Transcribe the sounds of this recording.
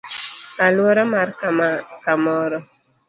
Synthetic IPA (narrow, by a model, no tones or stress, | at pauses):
alwɔɾɔmarkkamɔɾɔ